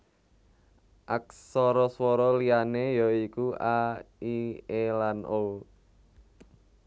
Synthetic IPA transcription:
ʔak̚sɔɾɔswɔɾɔlianejɔikuaielanol

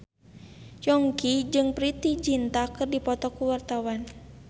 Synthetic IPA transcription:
jɔŋkid͡ʒɨŋpɾit̪id͡ʒint̪akɨrdipɔt̪ɔkuwart̪awan

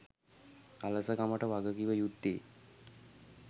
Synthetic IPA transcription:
aləsəkaməʈəʋaɡəɡiʋəjud̪ːeː

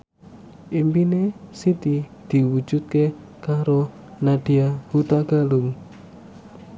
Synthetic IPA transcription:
ʔimpinesit̪id̪̥i̤wu̥d͡ʒ̥ut̪̚ke | kaɾo | naɖ̥iahut̪aɡ̥alʊŋ

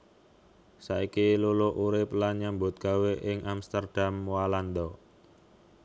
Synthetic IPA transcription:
saikilulʊʔuɾɪplaɲambʊt̪̚ɡ̥a̤weʔɪŋʔamst̪ərd̥amwaland̪ɔ

